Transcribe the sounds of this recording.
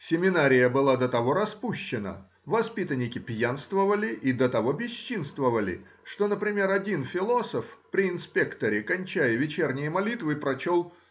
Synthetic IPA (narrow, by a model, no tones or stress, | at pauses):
sʲɪmʲɪnaɾʲɪjəbɨlˠad̪ət̪ɐvo̞ɾɐspuɕːɪnə̰ | vɐspʲit̪ənʲɪkʲɪpʲjanst̪vəvəlʲɪʔid̪ət̪ɐvo̞bʲɪɕːinst̪vəvəlʲɪ̰ | ʂt̪o̞nəpɾʲɪmʲe̞ɾɐdʲinfʲɪlˠo̞səfpɾʲɪɪnspʲe̞kt̪əɾʲɪkɐnʲt͡ɕæjəvʲɪt͡ɕe̞rnʲɪjəmɐlʲit̪vɨpɾɐt͡ɕo̞lˠ